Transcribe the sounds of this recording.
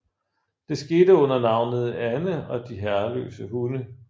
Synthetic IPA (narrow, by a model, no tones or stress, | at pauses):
d̥e̝sɡ̥e̝ːd̥əɔ̽n̰ɐnɑ̈ʊ̰nð̞̩ˠænəɒ̽d̥iɦæɐlø̰ːsəɦunə